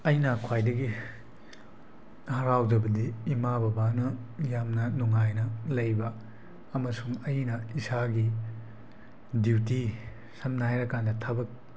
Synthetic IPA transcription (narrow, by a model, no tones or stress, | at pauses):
ɐjnɐkʰwajdɐɡi | hɐɾawd͡ʒɐbɐdiːmabɐbanɐjamnɐnuŋajnɐlɐjbɐː | mɐsuŋɐjnɐisaɡi | diwti | sɐmnaajɾɐkandɐtʰabɐk̚